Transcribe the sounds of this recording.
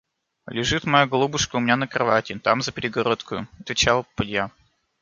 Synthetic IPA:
lʲɪʐɨt̪mɐjaɡlˠubʊʂkəʊmʲɪnʲanəkɾɐvatʲɪt̪amzəpʲɪɾʲɪɡɐɾot̪kʊjʊ̰ɐt̪vʲɪt͡ɕalˠpʊdʲja

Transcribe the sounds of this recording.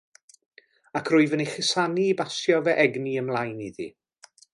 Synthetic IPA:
akʰrʊɨvəniχɪsaniːbasjɔvɛʔɛɡniəmlˠajniðḭ

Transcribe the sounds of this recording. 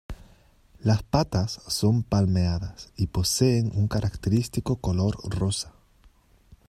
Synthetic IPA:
laspat̪asːo̞mpalmeaðasipo̞seːŋuŋkaɾʔakt̪eɾist̪ikokolo̞ɾrosḁ

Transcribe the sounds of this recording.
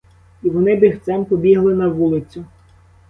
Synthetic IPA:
iʋɔnɪbɪxsɑmpɔbʲiɦlˠɪnɐʋulˠɪt͡sʲʊ

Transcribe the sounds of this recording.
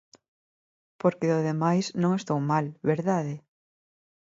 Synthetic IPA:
poɾkeðoðemajsnõŋest̪owmalβeɾðaðe

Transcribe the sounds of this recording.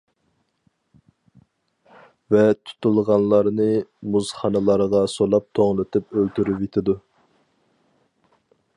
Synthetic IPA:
vɛt̪ʰu̥t̪ʰulˠʁɑnlˠɑɾnɨmuz̥χɑnɨlˠɑɾʁɑsolˠɑp̚t̪ʰoŋlˠɨt̪ʰɪpølt̪ʰyɾypet̪ʰɪd̪u

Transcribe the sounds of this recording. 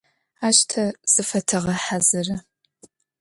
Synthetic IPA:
aːʃtʰɐz̥ɨfɐtʰɨʁɐħazɨrɐ

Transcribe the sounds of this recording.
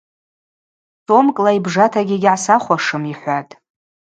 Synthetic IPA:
sʰo̞mkʼlaibʐatʰaɡʲɪɡʲʕasaχʷaʂɨmiħʷatʼ

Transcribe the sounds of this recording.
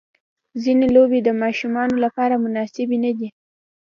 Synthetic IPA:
zinelobed̪əmɑʃumɑnolapɑɾamʊnɑsɪbenad̪i

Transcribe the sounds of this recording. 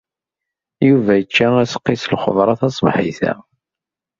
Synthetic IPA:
juvæjət͡ʃːææsə̥qːislχo̰ðˤɾˤɑθɑsˤmħḭθæ̰

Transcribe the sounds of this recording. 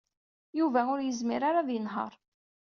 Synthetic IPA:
juvæʊɾjəzmiɾaɾaðjənɦə̰ɾˤ

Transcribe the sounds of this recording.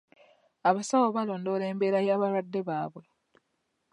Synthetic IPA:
aβasawoβalo̞ːndo̞ːle̞ːmbe̞ːɾajaːβaɾwadːe̞βaːβwe̞

